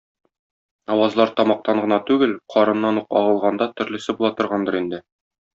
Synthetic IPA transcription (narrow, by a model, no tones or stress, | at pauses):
ɒwɑzlˠɑɾt̪ɒmɑq̚t̪ɑɴɢɤ̆nɑt̪ʉɡɘlqʰɒɾɤ̆nːɑnuqɒʁɤ̆lˠʁɑnd̪ɑt̪ɵ̆ɾlɘ̆sɘbulˠɑt̪ɤ̆ɾʁɑnd̪ɤɾind̪ɘ